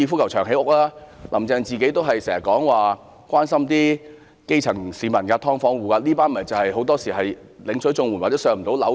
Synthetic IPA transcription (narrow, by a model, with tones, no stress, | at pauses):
iː˧fu˥kʰwt͡ʃʰœː˨˩ŋɦe˨˥jʊ˥k̚laː˥lʔɐ˨˩mt͡sɛː˧ŋt͡siː˨ke˨˥jt̪o˥wɦɐ˨jsɛː˨˩ŋsɐ˨˩kɔː˨˥ŋwaː˨ | kʷwaː˥nsɐ˥mt̪iː˥ | ke˥jt͡sʰɐ˨˩ŋsiː˨˧˥mɐ˨˩nkɐː˧t̪ʰɔː˥ŋfɔː˥ŋwuː˨ka˧liː˥paː˥nmɐ˨˩t͡sɐ˨whɐ˨jɦo˨˥wt̪ɔː˥siː˨˩ɦɐ˨j | lɪ˨˧ŋsʰɵ˨˥jt͡sʊ˧ŋwnwaː˨˩t͡sɛ˨˥sœː˧˩ŋm̩˨˩t̪o˨˥wlɐ˨˥